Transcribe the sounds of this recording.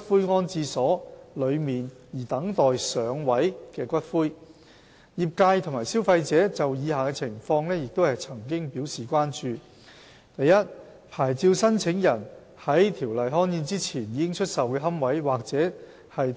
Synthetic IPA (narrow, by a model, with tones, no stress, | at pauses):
fuː˥jŋɔː˥nt͡siː˧sɔː˨˥lɵ˨˧ɥmiː˨n | jiː˨˩t̪ɐ˨˥ŋt̪ɔː˨jsœː˨˧˥ŋwɐ˨˥jkɛː˧kʷɐ˥t̚fuː˥j | jiː˨p̚kaː˧jt̪ʰʊ˨˩maː˨˩jsiː˥wfɐ˧jt͡sɛː˨˥t͡sɐ˨wjiː˨˧haː˨kɛː˧t͡sʰɪ˨˩ŋfɔː˧ŋlɛː˥jɪ˨k̚t̪o˥whɐ˨jt͡sʰɐ˨˩ŋkɪ˥ŋpiː˨˥wsiː˨kʷaː˥nt͡ʃyː˨ | t̪ɐ˨jːɐ˥t̚ | pʰaː˨˩jt͡siː˧wsɐ˥nt͡sʰɪ˨˥ŋjɐ˨˩n | hɐ˨˥jt̪ʰiː˨˩wlɐ˨jɦɔː˥njiː˧nt͡siː˥t͡sʰiː˨˩njiː˨˧kɪ˥ŋt͡ʃʰɵ˥t̚sɐ˨wkɛː˧ɦɐ˥mwɐ˨˥jwaː˨k̚t͡sɛː˨˥ | hɐ˨j